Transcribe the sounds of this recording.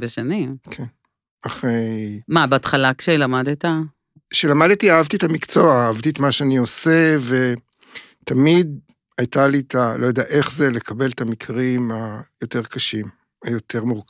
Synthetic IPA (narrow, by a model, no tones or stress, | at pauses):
beʃenikʰen | aχʁejmabeat̪χalakʃelamadeta | ʃelamad̪etiaavt̪ietamikt͡so̞aːavt̪iet̪maʃeanioseve̞ | tamid̚ | ajt̪alitʰalojodeaʔe̞χzelekʰabe̞lt̪amikʰʁimajo̞teʁkaʃim | ajo̞tʰe̞ʁmuʁk